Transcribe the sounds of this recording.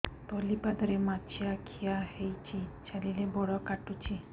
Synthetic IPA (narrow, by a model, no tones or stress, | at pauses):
t̪olipad̪ɔɾemat͡ʃʰiakʰijahejt͡ʃʰit͡ʃalilebɔɽɔkaʈut͡ʃʰi